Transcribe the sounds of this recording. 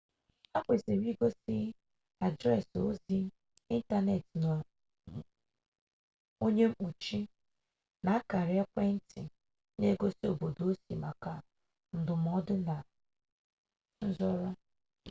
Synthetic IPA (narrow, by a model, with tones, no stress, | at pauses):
a˦kʷe˨ze˨m˦i˦ɡo˦si˦ | a˨dɾɛ˦˨so˦zi˦ | i˦n̩˦ta˦ne˨tn˨ | o˦ɲe˦m̩˦k͡pu˨t͡ʃi˦ | na˨a˦ka˨ɾɪ˨˦ɛ˦kʷe˦n̩˦tɪ̰˨ | ne˦ɡo˦si˦o˨bo˨do˦si˨ma˨ka˨ | n̩˦dʊ˨m˨˦ɔ˦dʊ˦na˨ | n̩˦zɔ˦ɾɔ˦